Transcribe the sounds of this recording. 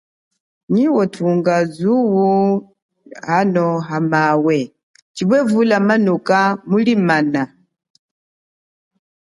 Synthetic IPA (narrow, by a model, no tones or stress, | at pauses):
ɲiwɔtʰuŋɡazuwu | hanɔɦamawɛ | t͡ʃiβɛvulamanukamulimana